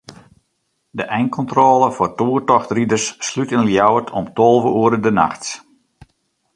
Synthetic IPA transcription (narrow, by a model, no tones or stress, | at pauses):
dəʔɛjŋkʰɔntroːlˠəfʊrtuːərtɔxtridərsːlytɪnəljawətʰɔmtolˠvəuəɾədəna̰xts